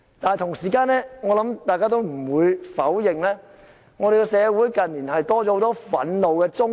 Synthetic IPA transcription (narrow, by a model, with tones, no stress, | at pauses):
t̪aː˨n˨jt̪ʰʊ˨˩ŋsiː˨˩kaː˧nɛː˥ŋɔː˨˧lɐ˨˥mt̪aː˨jkaː˥t̪o˥wm̩˨˩wuː˨˧jfɐ˨˥wjɪ˨ŋlɛː˥ | ŋɔː˨˧ɾe˨jkɛ˧sɛː˨˧wuː˨˥jkɐ˨nliː˨˩nɦɐ˨jt̪ɔː˥ɔ˨˥ho˨˧wt̪ɔ˥fɐ̰˨˥nlo˨wkɛː˧t͡sʊ˥